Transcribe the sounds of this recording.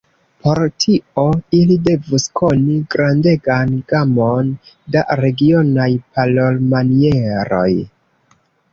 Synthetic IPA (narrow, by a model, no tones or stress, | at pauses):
po̞ɾtʰio̞ilide̞vuskʰo̞niɡɾande̞ɡanɡamon | daɾe̞ɡio̞najpalolmanie̞ɾo̞̰j